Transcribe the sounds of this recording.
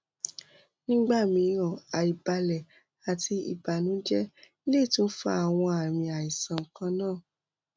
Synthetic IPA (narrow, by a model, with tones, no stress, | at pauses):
nĩ˦ɡ͡ba˦˨mĩ˧˦ɾɔ̃˨a˨i˨ba˧lɛ˨ | a˨tʰi˧ḭ˨ba˨nũ˨˦d͡ʒɛ˦ | i˦le˦˨tũ˦n̩˦fa̰˦a˦˨w̃ɔ̃˧a˨ɾ̃ĩ˧a˨i˨sã˨ŋ̩˨kã˧nãː˦˨